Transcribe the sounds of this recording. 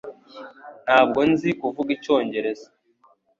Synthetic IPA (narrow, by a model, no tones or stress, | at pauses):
n̥haːb̚ɡo̞nzikuvuɡico̞ːɲɟe̞ɾe̞za